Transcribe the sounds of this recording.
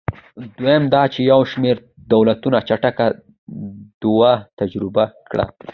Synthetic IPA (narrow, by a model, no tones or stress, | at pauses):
d̪wojemd̪ɑt͡ʃejawʃmeɾ | d̪awlat̪unat͡ʃaʈaka | d̪̥uwat̪ad͡ʒɾɪbakɽa̰